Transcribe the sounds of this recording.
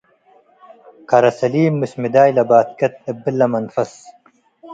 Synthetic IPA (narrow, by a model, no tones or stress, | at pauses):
kɐɾɐsɐliːmːusmid̪aːjlɐbaːt̪̚kɐt̪̚ɐbilːɐmɐnfɐs